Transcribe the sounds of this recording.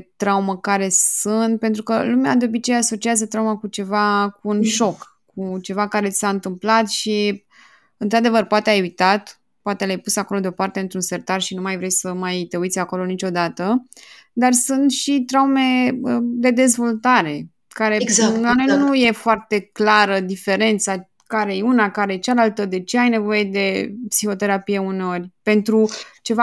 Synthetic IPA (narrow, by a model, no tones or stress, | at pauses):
t̪ɾauməkaɾe̞sɨnt̪̚pe̞nt̪ɾukəlumead̪eo̞bit͡ʃe̞jaso̞t͡ʃiazət̪ɾaumakut͡ʃe̞vakuːnʃo̞kː | ut͡ʃe̞vakaɾe̞i̥saɨnt̪ɨmplat̪ʃi | ɨnt̪ɾad̪e̞vərpoat̪eajujt̪at̪ | poat̪elajpusako̞lo̞d̪eo̞part̪e̞ɨnt̪ɾunse̞rt̪arʃinumajvɾejsəmajt̪e̞ujt̪sʲako̞lo̞nit͡ʃo̞d̪at̪əd̪arsunt̪ʃit̪ɾaume̞d̪e̞d̪e̞zvo̞lt̪aɾe̞ | kaɾe̞zaanenuje̞foart̪e̞klaɾəd̪ife̞ɾe̞nt̪sa | kaɾe̞jeunakaɾe̞jet͡ʃalalt̪əd̪e̞t͡ʃe̞ajne̞vo̞je̞d̪e̞psixo̞t̪e̞ɾapije̞uneo̞rʲpe̞nt̪ɾut͡ʃe̞va